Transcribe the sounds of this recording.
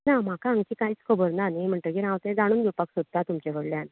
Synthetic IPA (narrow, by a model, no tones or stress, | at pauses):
nam̤akaːŋɡt͡ɕiːkaiːt͡skʰəbəɾnanem̤əɳʈ̪əkiɾãwt̪ed͡zaɽ̃uːnɡʱepaksod̪̚t̪at̪umt͡ɕekəɽljan